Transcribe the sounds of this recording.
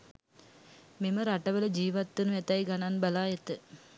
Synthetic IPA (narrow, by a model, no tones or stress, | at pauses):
meməɾaʈɐʋələd͡ʒiːʋat̪ːənuɛt̪ajɡananbɐlaːjet̪ə